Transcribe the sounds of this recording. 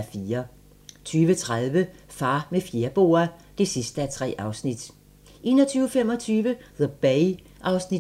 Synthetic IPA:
fiːɐ | t͡sʰyːʋət͡sʰʁaðˠʋəfɑ̈ːmefje̝ɐb̥o̝̰ːɐd̥e̝sisd̥əæt͡sʰʁɛ̰ːʔɑ̈ʊsnid̥ | ʔe̝̰ːnɒt͡sʰyːʊəfem̰ɒ̽t͡sʰyːʋəðəb̥eɪ | ʔɑ̈ʊsni̥

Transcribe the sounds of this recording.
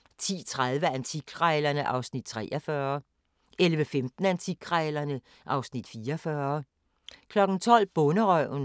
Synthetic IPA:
t͡sʰḭːt͡sʰʁað̞ˠʋəænt͡sʰiɡ̥ʰʁɛɪlɐnəʔɑ̈ʊsnid̥̚t͡sʰʁɛ̰ːʔɐfɶɐ | ʔelʋəfemd̥n̩ænt͡sʰiɡ̥ʰʁɛɪlɐnə | ʔɑ̈ʊsnid̥fiːɐfɶːɐ | kʰlɒ̽ɡ̥n̩t͡sʰɒ̽l̰b̥ɔ̽nəʁœ̰n

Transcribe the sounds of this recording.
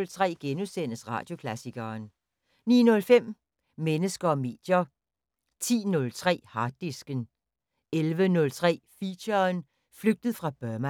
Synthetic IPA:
lt͡sʰʁɛ̰ːɡ̥enusen̰əsʁɑ̰̈ːd̥jo̝kʰlæsiɡ̥ɐːn | nḭːnɔ̽lfem̰ | menəsɡ̥ɐɒ̽me̝̰ːd̥jɐ | t͡sʰḭːnɔ̽lt͡sʰʁɛ̰ːhɑ̈ːd̥isɡ̥ən | elʋənɔ̽lt͡sʰʁɛ̰ːfiɕɐn | fløɡ̥̚d̥əð̩ˠfʁɑ̈b̥ɶɐmæ

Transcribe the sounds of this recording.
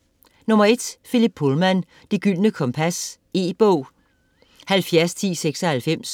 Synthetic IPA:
nɔ̽mɐe̝d̥felib̥̚ʰolmæn | d̥eɡ̥yl̰nəkʰɒ̽mpʰæs | e̝̰ːb̥ɔʊ̰ | hælfjæɐst͡sʰḭːseɡ̥sɒhælfem̰s

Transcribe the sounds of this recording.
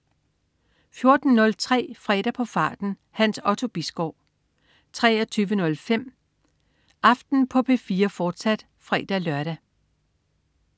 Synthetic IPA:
fjo̝ɐd̥n̩nɔ̽lt͡sʰʁɛ̰ːfʁɛ̰ːɾ̥æpʰɒ̽fɑ̰̈ːd̥n̩ | hænsɒ̽t͡sʰo̝b̥isɡ̥ɒʊ | t͡sʰʁɛ̰ːɐt͡sʰyːʋənɔ̽lfem̰ | ʔɑ̈fd̥n̩pʰɒ̽pʰe̝fiːɐfɒːd̥sæd̥ | fʁɛ̰ːd̥ælɶɐɾ̥æ

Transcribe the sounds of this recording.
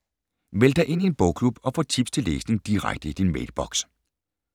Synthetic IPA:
ʋeld̥ɑɪʔe̝n̰ie̝nb̥ɔʊ̰kʰlub̥ɒ̽fɒ̰ːt͡sʰib̥st͡sʰe̝lːḛːsne̝ŋd̥iʁa̰ɡ̥̚d̥əid̥inʋḛːd̥b̥ɒ̽ɡ̥s

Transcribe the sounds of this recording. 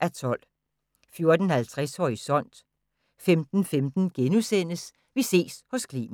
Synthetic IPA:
ʔæt͡sʰɒ̽l̰ | fjo̝ɐd̥ən̩hælt͡sʰʁɛsɒ̰ːisɒ̽n̰d̥ | femd̥n̩femd̥n̩ɡ̥enusen̰əs | ʋise̝̰ːshɔ̽skʰlḭːm

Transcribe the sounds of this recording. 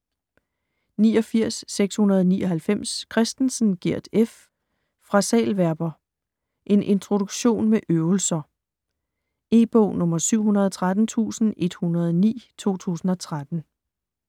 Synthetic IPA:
niːɒ̽fiɐ̰sːeɡ̥shunɐð̞ˠɒnḭːʔɒ̽ɦælfem̰skʰʁɛsd̥n̩sn̩ɡ̥iɐ̰d̥efː | ʁɑ̈sɛ̰ːlʋæɐb̥ɐ | ʔe̝nʔe̝nt͡sʰʁo̝ɾ̥uɡ̥ɕo̝̰ːnmeʔøʊl̩sɐ | e̝̰ːb̥ɔ̰ʊ̰nɔ̽mɐsyʊ̰ɦunɐð̞ˠɒt͡sʰʁad̥n̩t͡sʰṵːsn̩e̝d̥hunɐð̞ˠnḭːt͡sʰo̝̰ːt͡sʰṵːsn̩ɒ̽t͡sʰʁad̥n̩

